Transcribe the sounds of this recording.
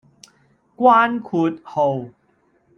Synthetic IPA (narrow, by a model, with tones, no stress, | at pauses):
kwaː˧˥nkʰu˨˦t̪̚ho˨˩w